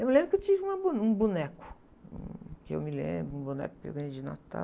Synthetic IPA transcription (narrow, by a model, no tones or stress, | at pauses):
ewmlẽmbɾʊkewt͡ʃivɪũmɐbunũbunɛkʊ̥ | ṵ̃kɪḛwmɪlḛ̃bɾʊũbunɛ̰kʊ̥kɪḛwɡɐ̃ɲd͡ʒɪna̰t̪a̰